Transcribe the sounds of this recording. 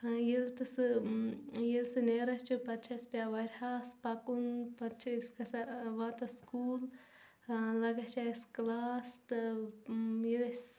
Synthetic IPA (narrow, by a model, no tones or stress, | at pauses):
jilt̪ɨsɨ | jilsɨneːɾɐt͡ʃʰupɐt̪̚t͡ʃʰɐspjaʋɐɾʲhaːspɐkunpɐt̪t͡ʃʰɐskɐsaʋat̪ɐskuːl | lɐɡɐt͡ʃʰaisklaːst̪ɨ | jilɐs